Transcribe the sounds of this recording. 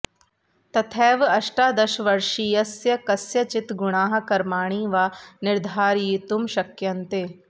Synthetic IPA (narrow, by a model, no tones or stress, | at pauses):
t̪ɐt̪ʰɛːʋɐʃʈaːd̪ɐʃʋɐɾʃijɐsjɐkɐsjɐt͡ʃɪt̪ɡʊɽ̃aːɦɐ̆kɐɾmaːɽ̃iːʋaːnɪɾd̪ʱaːɾjit̪umʃɐkjɐnt̪eː